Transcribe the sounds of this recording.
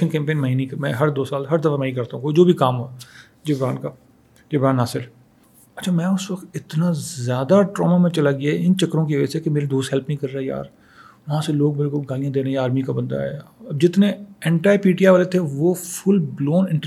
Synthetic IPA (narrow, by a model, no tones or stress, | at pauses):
ənkɛ̃ːmpeːnmɐinĩkmɛ̃ːɦɐɾd̪oːsaːlɦɐɾd̪ɐfamɛikɐɾt̪aɦũkod͡ʒoːbʱikaːmɦo | d͡ʒɪbɾaːnkaː | d͡ʒɪbɾaːnːaːsɪɾ | ɐtːt͡ʃʰamɛ̃ːʊsʋɐkt̪ɪt̪nazjaːd̪aʈɾɔ̰ːmamẽt͡ʃɐlaɡɪjaɪnt͡ʃɐkːɾõk̬iʋəɛ̰sekemeːɾed̪oːst̪ɦɛlpnĩkɐɾːaːeja̰ːɾ | ʋɐɦãseloːɡ̚bɪɾekolɡaːlijãːd̪eːnaaːɾmikabɐ̃nd̪a̰ɛbd͡ʒɪt̪neɛ̃ːɳʈaːepiːʈiaːʋaːlet̪ʰeʋoːfʰʊlbloːnɪ̃ɳʈ